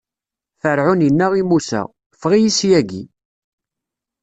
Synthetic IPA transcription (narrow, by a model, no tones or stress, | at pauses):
θəɾʕʊnjənːæʁimusæ̰ | fʁijisjæɡḭ